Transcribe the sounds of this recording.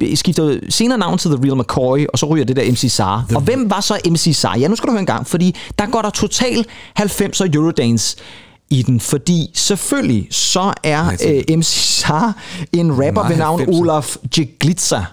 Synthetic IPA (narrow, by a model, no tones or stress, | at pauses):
sɡ̥ifd̥ɐse̝ːnɐːnɑ̈ʊ̰n̩t͡sʰe̝lðəʁilˠmækʰɔːʁiʔɒ̽sɒ̽ʁy̰ːjd̥ed̥eɐemsisɑ̰̈ːɒ̽ʋem̰ʋɑ̈sɒ̽ʔemsisɑ̰̈ːjænuskɡ̥æɾuhøɐenŋɡɑ̈ŋ̰fɒ̽d̥ḭːd̥ɑ̈ɡ̥ɒ̰ːɾ̥ɑ̈t͡sʰo̝t͡sʰɛ̰ːl̥hælfem̰sɒjuʁod̥ɛns | id̥enfɒ̽d̥ḭːseføllisɒ̽æɐʔemsisɑːe̝nʁæb̥ɐʋenɑ̈ʊ̰n̩o̝læfdeɡ̥lid̥sæ